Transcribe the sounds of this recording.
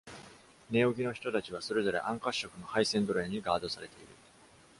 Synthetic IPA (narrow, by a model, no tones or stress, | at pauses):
ne̞oɡʲino̞çi̥t̪o̞t̪at͡ɕiβ̞aso̞ɾe̞zo̞ɾe̞̰ʔãŋkaɕːo̞kɯ̟no̞haisẽ̞nd̪o̞ɾẽɲ̟ːiɡaːd̪o̞saɾe̞t̪e̞iɾɯ̟